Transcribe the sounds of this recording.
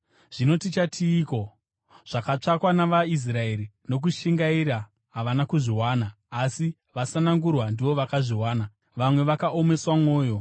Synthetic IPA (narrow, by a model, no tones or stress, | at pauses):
ʐ̥ino̞tit͡ʃatʰiːko̞ | ʐ̥akat͡ʂakwanaʋais̬rae̞ɾino̞k̬uʃiŋɡaiɾa | ɦaʋanakuʐiwaːnaː | si | ʋasanaŋɡurwandiʋo̞ʋakaʐiwaːna | ʋamwe̞ʋakaʔo̞me̞swamo̞ːjo̞